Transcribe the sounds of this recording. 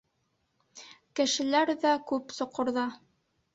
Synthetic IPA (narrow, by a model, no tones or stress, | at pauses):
kɘ̆ʃɘ̆læɾðækʉpsŏqŏɾðɑ